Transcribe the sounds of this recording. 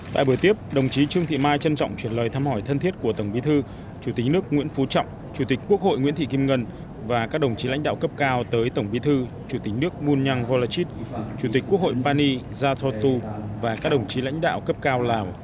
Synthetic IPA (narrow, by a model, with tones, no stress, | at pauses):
t̪a̰ː˧˨jɓɨ˧˩ət̪i˦˥əp̚ɗə˨˩wŋ͡mt͡ɕi˨˦t͡ɕɨ˧əŋt̪ʰḭ˧˨maː˧jt͡ɕə˧nt͡ɕɔ̰˧˨wŋ͡mt͡ɕwi˧˩ənləː˨˩jt̪ʰaː˧mhɔ˧˩jt̪ʰə˧nt̪ʰi˦˥ət̚ku˧˩ət̪ə˧˩wŋ͡mɓi˨˦t̪ʰɨ˧ | t͡ɕu˧˩t̪ï̟˨˩nɨ˦˥ək̚ŋwḭ˧˥nfu˨˦t͡ɕɔ̰˧˨wŋ͡m | t͡ɕu˧˩t̪i˨˩k̟kːu˦˥ək̚ho̰˧˨jŋwi˧˥nt̪ʰi˧˨ki˧mŋə˧n | vaː˨˩kaː˦˥k̚ɗə˨˩wŋ͡mt͡ɕi˨˦la̰˧˥jŋ̟ɗa̰ː˧˨wkə˦˥p̚kaː˧wt̪əː˨˦jt̪ə˧˩wŋ͡mɓi˨˦t̪ʰɨ˧ | t͡ɕu˧˩t̪ï˨˩k̟̚nɨ˦˥ək̚mu˧nɲaː˧ŋvo˧la˧t͡ɕi˦˥t̚t͡ɕu˧˩t̪ï̟˨˩kːu˦˥k̚ho̰˧˨jpaː˧ni˧ | zaː˧t̪ʰo˧t̪u˧vaː˨˩kaː˦˥k̚ɗə˨˩wŋ͡mt͡ɕi˨˦la̰˧˥jŋ̟ɗa̰ː˧˨wkə˦˥p̚kaː˧wlaː˨˩w